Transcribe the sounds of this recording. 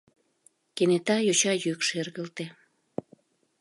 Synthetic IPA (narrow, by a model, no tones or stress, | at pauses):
kenet̪ɑjot͡ɕɑjykʃerɣəlt̪e